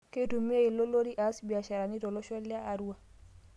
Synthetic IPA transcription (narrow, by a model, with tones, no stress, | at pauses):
ke˦tu˨mi˦e˦i˨lo˦lo˦ɾi˦ʔa˨˦sbi˨a˨ʃa˨ɾa˨ni˦tɔ˨lɔ˦ʃɔ˦li˦aː˦˨ɾu˦wa˨